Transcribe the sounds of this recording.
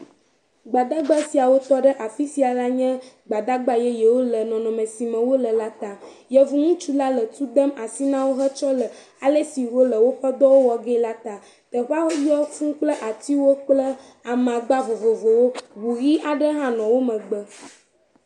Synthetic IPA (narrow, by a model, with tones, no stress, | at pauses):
ɡ͡ba˨d̪a˦ɡ͡ba˦si˨a˨wo˦t̪ɔ˦ɖə˦ʔa˨fi˦si˨a˨la˦ɲɛ̃˦ | ɡ͡ba˨d̪a˦ɡ͡ba˦jɛ˦jɛ˨wo˦lə˨nɔ̃˨nɔ̃˨mə̃˨si˨mə̃˨wo˦lə˨la˦t̪a˨ | jɛ˨vu˦ŋũ˦t͡ʃu˦la˦lə˨t̪u˦d̪ə˦ma˨si˦nã˦wo˦ɦə˦t͡ʃɔ˦lə˨ | a˨lə˦si˨ɾo˦lə˨wo˦ɸə˦d̪ɔ˦wo˦wɔ˨ɡɛ˦la˦t̪a˨ | t̪ə˨ɸa˦wo˦ji˦ɔ˦fũ˦k͡plə˦ʔa˨t̪i˦wo˦k͡plə˦ | a˨mã˨ɡ͡ba˦vo˨vo˨vo˨wo˦bu˨ɣi˦ʔa˨ɖə˦ɦã˦nɔ̃˨wo˦mə̃˨ɡ͡bə˦